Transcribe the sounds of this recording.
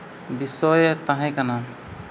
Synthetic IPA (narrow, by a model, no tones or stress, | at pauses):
bisɔjɛt̪aɦɛ̃jkana